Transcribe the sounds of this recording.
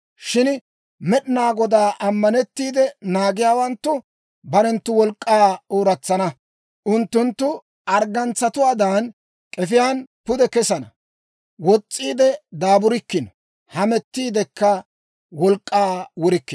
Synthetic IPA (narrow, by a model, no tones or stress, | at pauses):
ʃɪn | mɛɗɪnaːɡɔd̪aːʔɐmːɐnɛt̪ːiːd̪ɛnaːɡɪjaːwɐnt̪ːʊ | bɐɾɛnt̪ːʊwɔlkʼːaːoːɾɐt͡sːɐnɐ | ʔʊnt̪ːʊnt̪ːʊ | ɐɾɡɐnt͡sːɐt̪ʊwaːd̪aːn | kʼɛfɪjaːnpʊd̪ɛkɛsɐnɐ | wɔt͡sʼːiːd̪ɛd̪aːbʊɾɪkːɪnɔ | hɐmɛt̪ːiːd̪ɛkːɐ | wɔlkʼːaːwʊɾɪkːɪ